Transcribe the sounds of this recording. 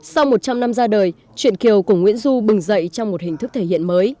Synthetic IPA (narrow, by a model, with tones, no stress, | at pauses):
sa˧wmo˨˩t̚t͡ɕa˧mna˧mzaː˧ɗəː˨˩j | t͡ɕwḭ˧˨ənki˨˩əwku˧˩əŋwḭ˧˥ənzu˧ɓɨ˨˩ŋzə̰˧˨jt͡ɕɔ˧wŋ͡mmo˨˩t̚hï̟˨˩t̪ʰɨ˦˥k̚t̪ʰe˧˩hḭ˧˨ənməː˨˦j